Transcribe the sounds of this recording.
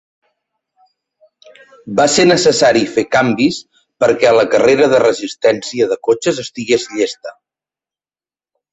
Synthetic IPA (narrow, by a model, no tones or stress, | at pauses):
basenəsəsaɾifekambis | pəɾkɛələkəreɾəðərəzist̪ɛnsiəðəkot͡ʃəzəst̪iɣezʎest̪ə